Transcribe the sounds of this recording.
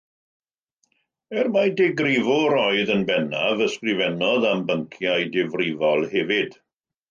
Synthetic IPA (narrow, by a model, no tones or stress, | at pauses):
ɛrmadɛɡrɪvɔɾɔɨðənbɛnavəskrɪvɛnɔðambəŋkʰjajdɪvrɪvɔlˠhɛvɪd̥